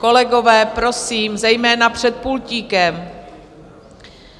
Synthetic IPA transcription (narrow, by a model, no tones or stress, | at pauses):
ko̞lɛɡo̞vɛːpɾo̞siːmzɛjmɛːnapr̝̥ɛt̪̚pulciːkɛm